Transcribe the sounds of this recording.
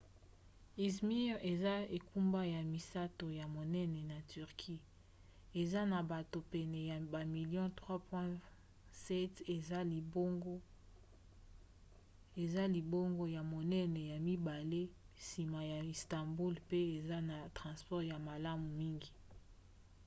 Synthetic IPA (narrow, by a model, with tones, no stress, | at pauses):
i˨smi˦ʁe˨za˦e˨ku˦mba˦ja˨mi˨sa˦to˨ja˨mo˨nɛ˦nɛ˨na˨ty˨ʁkʰi˦ | e˨za˦na˨ba˨to˨pɛ˨nɛ˨ja˨ba˨mi˨ljɔ̃˦tʁwa˦pwɛ̃˦ | sɛ˦te˨za˦li˨bo˦ɡo˦ | e˨za˦li˨bo˦ŋɡo˦ja˨mo˨nɛ˦nɛ˨ja˨mi˦ba˨le˦ | si˨ma˨ja˨i˨stã˨mbu˦lpe˦e˨za˦na˨tʁɑ̃˨spɔ˦ʁja˨ma˨la˦mu˨mi˦ŋɡi˨